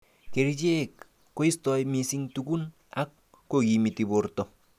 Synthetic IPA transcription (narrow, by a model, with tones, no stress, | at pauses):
ke˨ɾid͡ʒe˦kː | o˦i˦stɔ˨jmi˨si˦ŋtuku˦n | a˦kː | oɡimi˨ti˨bʊ˨ɾtɔ˨